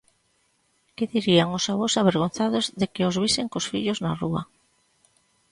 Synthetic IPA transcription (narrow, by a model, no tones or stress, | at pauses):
kɪðiɾiaŋosaβosaβeɾɣ̞on̟θað̞ozðekɪozβ̞isɪŋkosfiʎoznarua̰